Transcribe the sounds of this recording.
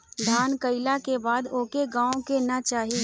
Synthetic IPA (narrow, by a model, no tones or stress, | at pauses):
d̪ʱaːnkəɪlakebaːd̪oːkeɡãːõkenɐt͡ʃaːɦi